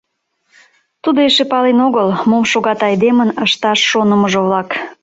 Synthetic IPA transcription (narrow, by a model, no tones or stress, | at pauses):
t̪ud̪oeʃepɑlenoɣəlmomʃoɣɑt̪ɑjd̪emənəʃt̪ɑʃːonəməʒoβlɑk